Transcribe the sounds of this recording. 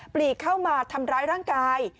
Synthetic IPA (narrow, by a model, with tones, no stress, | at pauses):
pliː˨˩kʰːa˥˩wmaː˧t̪ʰa˧mɾaː˦˥jɾaː˥˩ŋkaː˧j